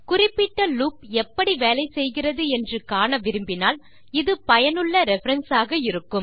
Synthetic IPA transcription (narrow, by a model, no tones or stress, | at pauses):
kʊrɪpːɪʈːɐluːpɛpːɐɽiʋeːlɐɪsɛjɣɪrɐðɯɛndrɯkaːɳɐʋɪɾɯmbɪnaːl | ɪðɯpɐjɐnɯɭːɐɾɛfɐɾɐnsaːɣɐɪɾɯkːɯm